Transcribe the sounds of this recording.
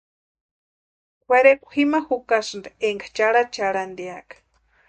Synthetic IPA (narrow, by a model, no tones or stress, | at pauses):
kʷaɾekʷhimaxukasɨnd̪eeŋɡḁt͡ʃaɽat͡ʃaɺand̪eakḁ